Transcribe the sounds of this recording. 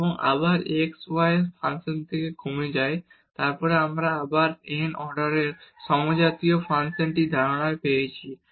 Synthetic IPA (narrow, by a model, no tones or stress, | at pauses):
eboŋa̰baɾekswajsfʰansent̪ʰekekʰumed͡ʑaj | t̪aɾpɔɾeamɾaabaɾenɔɾɖaɾeɾʃɔmod͡ʑat̪iofʰansenʈid̪ʱaɾaɽaepejet͡ɕʰi